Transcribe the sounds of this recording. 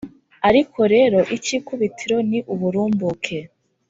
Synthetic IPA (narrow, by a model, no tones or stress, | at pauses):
aɾikʰo̞ɾe̞ːɾo̞ʔiciːkuβitʰiɾo̞niʔuβuɾuːmbukʰe̞